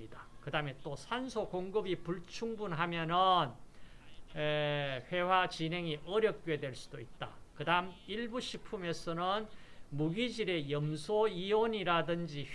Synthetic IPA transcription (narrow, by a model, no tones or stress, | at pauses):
idakɯdame̞t͈osʰansʰokoŋɡɯbipuɭt͡ɕʰuŋbunɦamjʌnɯn | ɸwe̞wat͡ɕinɦe̞ŋiʔʌɾjʌk̚k͈joedwe̞ɭs͈u̥d̥oit̚t͈a̰kɯdamiɭbuɕʰipʰume̞sʰʌnɯnmuɡid͡ʑiɾe̞jʌmsʰoioɲiɾadɯnd͡ʑi